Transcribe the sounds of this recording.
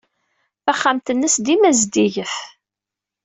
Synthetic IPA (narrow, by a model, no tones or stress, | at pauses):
θæχːamt̪ənːəsd̪imæzd̪iʝəθ